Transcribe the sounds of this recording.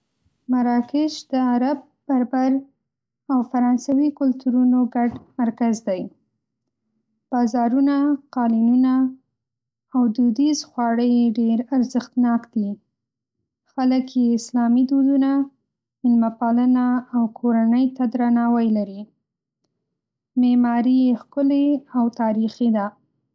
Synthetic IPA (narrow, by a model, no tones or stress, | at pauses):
maɾɑkɪʃd̪əaɾab̚b̥aɾbaɾ | awfaɾɑnsawikʊlt̪uɾunoɡaɖmaɾkazd̪aj | b̥ɑzɑɾunaqɑlinuna | wd̪ud̪izxwɑɽəjeɖeɾaɾzəxt̪nɑkt̪li | xaləkjeɪslɑmid̪od̪una | ɪnmapɑlənaːwkʰoɾanəjt̪ad̪ɾanɑwajlaɾi | memɑɾiexkʊleawt̪ɑɾixid̪a